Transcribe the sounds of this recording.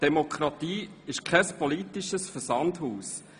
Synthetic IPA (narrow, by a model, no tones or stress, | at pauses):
d̥emokχɾɑt̪iːɪʃkʰɛspolitiʃəsfəsɑndhuːs